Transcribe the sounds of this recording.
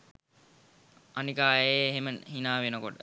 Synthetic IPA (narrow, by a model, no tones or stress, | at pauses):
anikaːjeɦeməɦinaːʋenəkoʈə